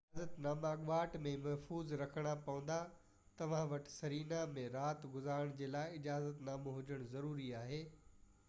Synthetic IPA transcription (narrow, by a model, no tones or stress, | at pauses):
ɪaːzət̪naːmaɠʋaːʈmẽmɐɦfuːzɾɐkʰəɽ̃apɐʋə̃n̆d̪a | t̪ɐʋ̤ãʋɐʈʰsɐɾiːnamẽɾaːt̪ɡʊzaːɾəɽ̃d͡ʑeːlaːɪɪd͡ʑaːzət̪naːmɦʊd͡ʑəɽ̃zɐɾuːɾiaːɦeː